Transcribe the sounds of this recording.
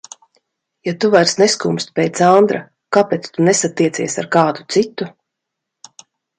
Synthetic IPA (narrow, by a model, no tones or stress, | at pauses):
jat̪uvaɾsneskumst̪̚ʲpʲejt̪sand̪ɾa | kapɛːt̪st̪unesat̪iɛsiɛsaɾkaːd̪u̥t̪sit̪u